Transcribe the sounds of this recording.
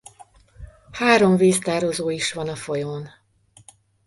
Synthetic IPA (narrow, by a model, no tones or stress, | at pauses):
haːɾo̞ɱveːst̪aːɾozoːiʃʋɒnɒfo̞joːn